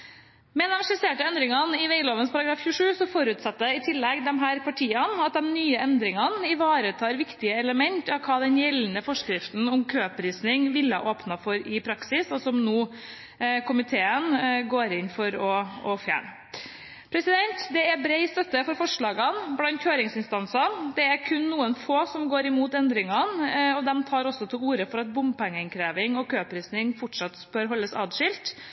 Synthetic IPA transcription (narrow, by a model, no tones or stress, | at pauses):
mɛɛnɛmʂɪseːʈəɛnd̪ɾɪŋɑnɪʋeɪloːʋənspʰɑɾɑɡɾɑːfçʉːʂʉːsɔfɔɾʉːt̪sɑt̪ːəɪt̪ʰɪlːɛɡd̪ɛmɦæːɾpʰɑʈʰiːənɑt̪̚d̪ɛmnyːəʔɛnd̪ɾɪŋɑnɪʋɑːɾət̪ʰɑːɾʋɪkt̪ɪəɛləmɛnt̪ɑʋkʰɑːd̪ɛnjɛlːnəfɔʂkɾɪft̪n̩ʊmkʰøːpɾiːsnɪŋʋɪlːəɑ̰ʔoːpnɑfɔɾɪpʰɾɑksɪsɔsɔmnuː | kʰʊmɪt̪ʰeːənɡoːɾɪnfɔɾɔɔfjæ̰ːɳə | pʰɾɛsɪd̪ɛnt̪d̪ɛæɾbɾeɪst̪œt̪ːəfɔɾfɔʂɭɑːɡɑnblɑnt̪çøːɾɪŋsɪnst̪ɑnsɑnd̪ɛæɾkʰʉnːuːənfoːsɔmɡoːɾɪmuːt̪ɛnd̪ɾɪŋɑnɔd̪ɛmt̪ʰɑːɾɔsːɔt̪ʰɪluːɾəfɔɾɑt̪̚bʊmpɛŋːəɪnkʰɾeːʋɪŋɔkʰøːpʰɾiːsnɪŋfɔʈʂɑt̪ːb̥œɾɦɔlːəsɑ̰ːd̪ʂɪlt̪